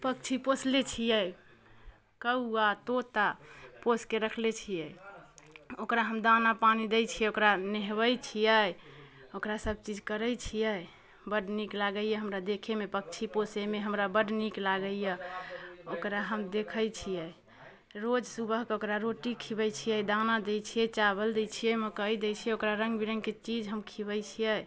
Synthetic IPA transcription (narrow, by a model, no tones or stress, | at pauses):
pək̚t͡ʃʰiposlet͡ʃʰijɛ | kəuat̪ot̪aposkeɾəkʰlet͡ʃʰijɛ | okɾaɦəmd̪anapanid̪et͡ʃʰijɛokɾaneɦβəjt͡ʃʰijɛ | okɾasəb̚t͡ʃid͡ʒkəɾəjt͡ʃʰijɛ | bəɖniklaɡəjɛɦəmɾad̪ekʰemepək̚t͡ʃʰiposemeɦəmɾabəɖniklaɡəjə | okɾaɦəmd̪ekʰəjt͡ʃʰijɛ | ɾod͡ʒsubəɦkeokɾaɾoʈikʰibəjt͡ʃʰijɛd̪anad̪ejt͡ʃʰijɛt͡ʃaβəld̪ɛt͡ʃʰijɛməkəid̪ɛjt͡ʃʰijɛokɾaɾəŋɡbiɾəŋɡket͡ʃid͡ʒɦəmkʰibət͡ʃʰijɛ